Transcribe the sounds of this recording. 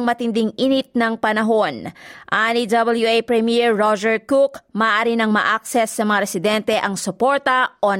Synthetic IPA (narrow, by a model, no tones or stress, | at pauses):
ŋmɐt̪ɪnd̪iŋʔiːnɪt̪̚nɐŋpɐnɐɦo̞nʔanid̪ɐbɐljuejpɹɛmɛɹːod͡ʒɛɹkukmɐʔʔaːɾinɐŋmɐʔak̚sɛsːɐmɐŋaɾɛsɪd̪ɛnt̪ɛʔɐŋsʊpo̞ɹt̪ɐʔo